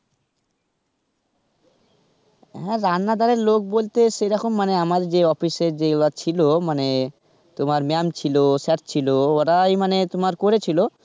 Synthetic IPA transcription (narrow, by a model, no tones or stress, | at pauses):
ɦɛɾanːad̪aɾeɾlok̚bolt̪eʃejɾɔkʰomːaneamaɾd͡ʑeɔfiseɾd͡ʑelat͡ɕʰilomane | t̪omaɾmamt͡ɕʰilosɛʈ̚t͡ɕʰilooɾajmanet̪omaɾkoɾet͡ɕʰilo